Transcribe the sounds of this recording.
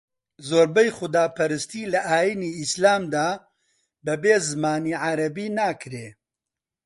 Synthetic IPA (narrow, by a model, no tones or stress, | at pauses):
zoːɾbɐjχʊd̪aːpʰɐɾɨst̪iːlɐʔaːjiniːislaːmd̪aː | bɐbeːzɨmaːniːʕaɾɐbiːnaːkɾeː